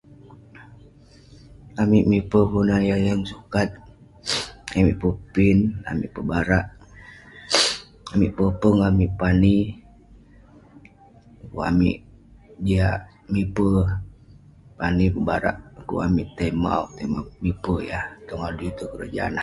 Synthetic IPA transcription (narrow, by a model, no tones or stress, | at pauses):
amiʔmipəpunajajaŋsukat̪̚ | amiʔpəpina̰mḭʔpəbaɾaʔ | amiʔpəpəŋamiʔpani | kua̰mḭʔ | diaʔ | mipə | panipəbaɾa̰ʔkṵʔa̰miʔt̪əjma̰ṵʔt̪əmamipəjat̪ɔŋaduit̪ukəɾə̰d͡ʒa̰na